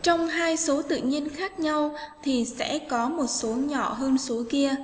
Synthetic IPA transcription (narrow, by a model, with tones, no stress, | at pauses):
t͡ɕɔ˧wŋ͡mɦaː˧jso˨˦t̪ɨ̰˧˨ɲi˧ənxaː˦˥k̚ɲa˧wt̪ʰi˨˩sɛ̰˧˥kɔ˨˦mo˨˩t̚so˨˦ɲɔ̰˧˨ɦəː˧nso˨˦ki˧ə